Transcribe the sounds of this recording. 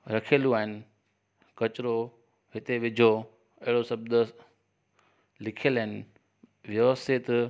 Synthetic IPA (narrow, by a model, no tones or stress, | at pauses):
ɾɐkʰəlũaːɦɪnɪ̆ | kɐt͡ɕɾo | ɦɪt̪eʋɪd͡ʑʱo | ɐɦɪɽosɐb̚d̪ | lɪkʰijəlɐɦɪnɪ | ʋjɐʋəst̪ʰɪt̪